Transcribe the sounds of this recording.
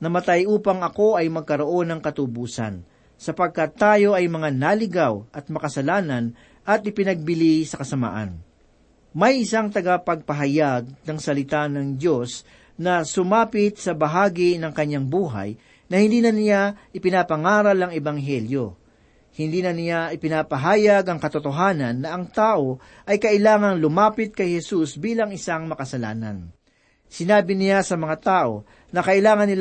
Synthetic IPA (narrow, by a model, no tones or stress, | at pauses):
nɐmɐt̪ajʔuːpɐŋɐko̞ʔɐjmɐɡ̚kɐɾoʔo̞nɐŋkɐt̪ʊbuːsɐ̰n | sɐpɐɡ̚kat̪ːaːjo̞ʔɐjmɐŋanaːlɪɡawʔɐt̪̚mɐkɐsɐlaːnɐn | ɐt̪̚ʔɪpɪnɐɡ̚bɪlisɐkɐsɐma̰ːʔɐ̰n | mɐjʔɪsaŋt̪ɐɡapɐɡ̚pɐɦɐjaɡ̚nɐŋsɐlɪt̪anɐŋdo̞s | nɐsʊmaːpɪt̪̚sɐbɐɦaːɡinɐŋkɐɲːaŋbuːɦa̰j | nɐhɪ̃nd̪iːnɐnɪjaʔɪpɪnapɐŋaːɾɐlɐŋɛbɐŋɦɛljo̞ | hɪnd̪iːnɐnɪjaʔɪpɪnapɐɦaːjɐɡɐŋkɐt̪ʊt̪oɦaːnɐnːɐʔɐŋt̪aːʔo̞ | ʔɐjkɐʔɪlaːŋɐŋlʊmaːpɪt̪̚kɐjhɛsusbiːlɐŋɪsaŋmɐkɐsɐla̰ːnɐ̰n | sɪnaːbɪnɪjasɐmɐŋat̪aːʔo̞̰ | nɐkɐʔɪlaːŋɐnːɪl